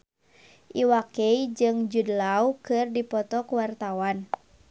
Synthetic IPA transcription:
ʔiwakeid͡ʒɨŋd͡ʒudlaukɨrdipɔt̪ɔkwart̪awan

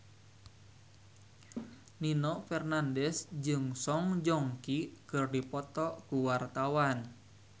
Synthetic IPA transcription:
ninɔfɛrnandɛsd͡ʒɨŋsɔŋd͡ʒɔŋkikɨrdipɔt̪ɔkuwart̪awan

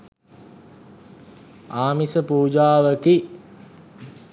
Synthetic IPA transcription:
aːmisəpuːd͡ʒaːʋəki

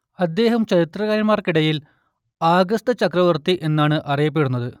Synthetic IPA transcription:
ɐd̪ːe̞ːɦɐmt͡ɕɐɾit̪rɐɣaːɾɐmaːrkiɽɐjil | aːɡɐst̪ɐt͡ɕɐkrɐʋɐrt̪iʔe̞nːaːɳɨʔɐrijɐp̬ːe̞ɽunːɐðɨ

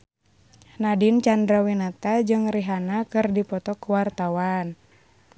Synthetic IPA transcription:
nadint͡ʃandɾawinat̪ad͡ʒɨŋriɦanakɨrdipɔt̪ɔkuwart̪awan

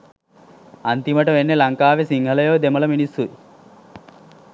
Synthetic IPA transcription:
ant̪iməʈəʋenːelɐŋkaːʋesiŋɦələjod̪emɐləminisːui

